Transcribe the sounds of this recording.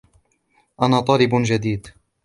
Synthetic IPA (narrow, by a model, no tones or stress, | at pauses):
ʔanaːt̪ˤɑːlɪbd͡ʒad̪iːd̪